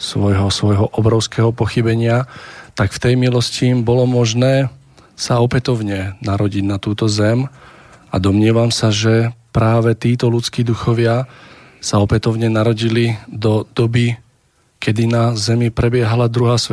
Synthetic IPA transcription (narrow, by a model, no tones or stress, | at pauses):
sʋɔjɦɔsʋɔjɦɔʔɔbɾɔʊskɛɦɔpɔxibɛɲɪat̪akft̪ɛjmilɔscimbɔlɔmɔʒnɛː | saɔpɛt̪ɔʊɲɛnaɾɔɟiɟnat̪uːt̪ɔzɛm | a̰d̪ɔmɲɪɛʋamsaʒɛpɾaːʋɛt̪iːt̪ɔlut͡skiːd̪uxɔʋɪa | saɔpɛt̪ɔʊɲɛnaɾɔɟilid̪ɔd̪̥ɔbi | kɛd̪inazɛmipɾɛbɪɛɦalad̪ɾuɦaːsʋɛ